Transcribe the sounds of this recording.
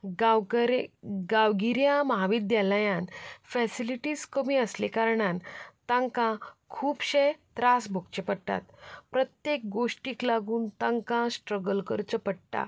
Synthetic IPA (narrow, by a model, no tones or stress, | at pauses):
ɡawɡiɾjãmɦaʋid̪jalajãnfɛsiliʈiːskəmiəslekaɾɳant̪ãŋkãkʰuːpɕet̪ɾasbʱokt͡ɕepəɽʈ̪a̰t̪pɾət̪jek̚ɡoʂʈiːklaɡuːnt̪ãŋkãsʈɾəɡəlkəɾt͡ɕəpəɽʈ̪a̰